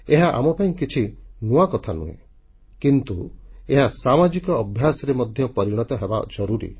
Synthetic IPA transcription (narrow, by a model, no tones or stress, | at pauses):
eɦaʔa̰mɔpaĩkit͡ʃʰinuwakɔt̪ʰanṵɦḛ̃ | kint̪ueɦasamad͡ʒikɔːbʱjasɔɾemɔd̪ʱjɔpɔɾiɽ̃ɔt̪ɔɦeba̰d͡ʒɔɾuɾḭ